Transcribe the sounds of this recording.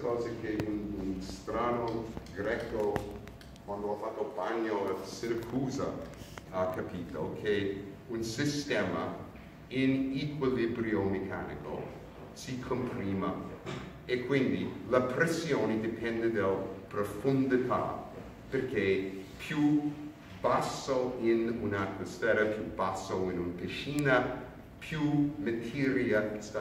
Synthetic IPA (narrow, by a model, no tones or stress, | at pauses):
kɔːzekʰeununst̪ɾaːnoɡɾɛkːo | kwand̪oafat̪ːobaɲːoasɪɾəkʰuːzɐakapʰiːt̪ʰokʰeunsist̪ɛːmɐ̰ | ɪnikwilibɾiomekʰa̰nḭko̰ | sikʰompɾiːma | ekʰːwĩnd̪ilapʰɾɛsioːnid̪ipʰɛ̃nd̪ed̪alpɾofund̪it̪ʰa̰ | pɛɾkʰepʰju | b̥asːoɪ̃nunat̪̚mosfɛɾɐpʰjubasːoɪ̃nunpiʃiːnɐ | pʰjumet̪ʰiɾiasta